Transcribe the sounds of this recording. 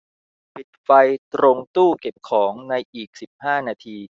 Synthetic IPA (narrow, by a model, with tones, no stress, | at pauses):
pʰi˨˩t̪̚fa˧jt̪ɾo˧ŋt̪uː˥˩ke˨˩p̚kʰɔː˩˦ŋna˧jʔiː˨˩k̚si˨˩p̚haː˥˩naː˧t̪ʰiː˧